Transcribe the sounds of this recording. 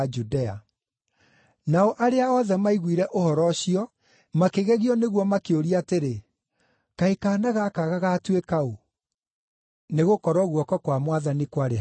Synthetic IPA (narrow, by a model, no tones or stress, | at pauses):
d͡ʒudɛa̰ | naɔʔaɾeaɔðɛmaiɣwiɾɛʔohɔɾɔɕiɔ | makeɣɛɣiɔneɣwɔmakeoɾiateɾe | kaikaːnaɣakaɣaɣatwekao | neɣokɔɾɔɣwɔkɔkwamwaðanikwaɾe